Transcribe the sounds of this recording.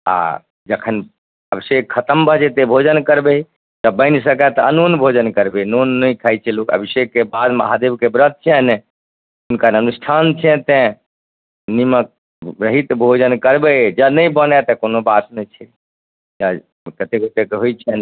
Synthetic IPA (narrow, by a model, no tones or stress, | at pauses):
a̰ | d͡ʒəkʰən | əbisekkʰət̪əmbʱəɦt͡ʃɛt̪ẽbʱod͡ʒənkəɾbe | t̪əbəɪns̬əkɛt̪ɔənunbʱod͡ʒənkəɾbenonːəjkʰajt͡ʃʰɛlokə̰bisekːebad̪ma̰ɦad̪ebkebɾət̪̚t͡ʃʰɛn | unkanənusʈʰant͡ʃʰɛ̃t̪ẽ | nimə | bɾəɦit̪bʱod͡ʒənkəɾbɛd͡ʒənəjbənɛt̪əkonobasnɛt͡ʃʰɛ | ja | kət̪eket̪ekɦojt͡ʃʰɛn